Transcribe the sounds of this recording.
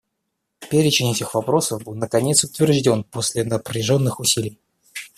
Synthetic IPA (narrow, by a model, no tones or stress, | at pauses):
pʲeɾʲɪt͡ɕɪnʲɛtʲɪxvɐpɾo̞səvbɨlˠnəkɐnʲe̞t̪sʊt̪vʲɪrʐdʲo̞nposʲlʲɪnəpɾʲɪʐo̞nːɨxʊsʲilʲɪj